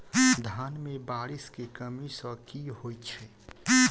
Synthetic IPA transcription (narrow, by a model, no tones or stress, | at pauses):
d̪ʱaːnmẽbaːɾiskekəmisəkiɦoːjt͡ʃʰɛ